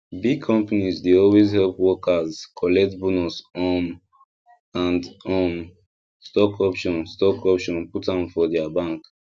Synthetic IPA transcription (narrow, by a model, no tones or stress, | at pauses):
bikʰɔ̃mpanizdeɔlwezhɛlpwɔkʰazkʰɔlɛk̚tbunusɔm | ãndɔm | stɔkʰɔpʃɔ̃nstɔkɔpʃɔ̃nputãmfɔdɛabãŋk